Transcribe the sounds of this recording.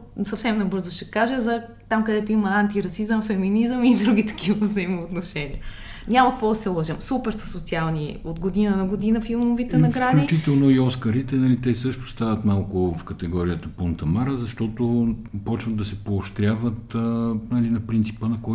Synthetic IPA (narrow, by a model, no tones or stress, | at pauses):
sɐfsɛmnɐbɤɾzoʃɛkaʒɛzɐ | t̪amkɐd̪ɛt̪oimɐant̪iɾɐsizəmfɛminizəmid̪ɾuɡ̟ʲit̪ɐ̥kivɐvzəimoot̪noʃɛniə | ɲʲamɐkɐkvɔd̪ɐsɛlˠɔʒɛmsupɛɾsɐ̥sot̪sialˠniod̪ɡod̪inənɐɡod̪inəfilˠmovit̪ɛnɐɡɾad̪lit͡ʃit̪ɛlˠnoiɔskəɾit̪ɛnɐlit̪ɛsɤʃt̪ʊ̥st̪avɐt̪malˠkʊfkɐt̪ɛɡɔɾiət̪ɐpont̪ɐmaɾəzɐʃt̪ɔt̪opɔt͡ʃvɐd̪̚d̪ɐsɛpoːʃt̪ɾʲavət̪nɐlinɐpɾint̪si̥pənɐkɔj